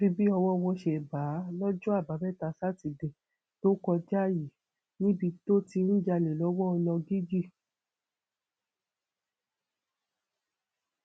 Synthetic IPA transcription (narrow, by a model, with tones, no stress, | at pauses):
ɾi˧bi˦ɔ˧wɔ˦˧wɔ̃˧ʃɛ˧˨ba˨˦lɔ˦d͡ʒɔ̃˦a˦˨ba˨˦bɛ˦˨ta˧sa˦ti˨de˨ | to˦kɔ˧d͡ʒa˦˨ji˨ | nĩ˦bi˧to˦ti˧˦ɾ̩̃˦d͡ʒa˧le˨lɔ˨˦wɔ˦ɔ˧nɔ̃˧ɡi˦d͡ʒi˦˨